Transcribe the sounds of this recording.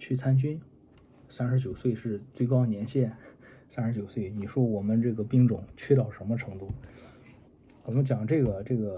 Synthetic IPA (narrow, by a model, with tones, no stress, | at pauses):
t͡ɕʰy˥˩t͡sʰa˥nt͡ɕy˥n | sa˥nʂɻ̩˧˥t͡ɕjo˨˩ʊswe˥˧ɪʂɻ̩˥˩t͡swe˥˩ɪkɑ˥ʊnjɛ˧˥nɕjɛ˥˩nsa˥nʂɻ̩˧˥t͡ɕjo˨˩ʊswe˥˩ɪni˨˩ʂwɔ˥wɔ˨˩mə˧˦nʈ͡ʂɤ˥˩ɡə˩pi˥ŋʈ͡ʂʊ̰˨˩˦ŋt͡ɕʰɥɛ˥˧t̪ɑ˥˩ʊʂə˧˥nmə˧ʈ͡ʂʰɤ˧˥ŋt̪u˥˩ | wɔ˨˩mə˦nt͡ɕjɑ˨˩ŋʈ͡ʂɤ˥˩ɡə˩ʈ͡ʂɤ˥˩ɡə˩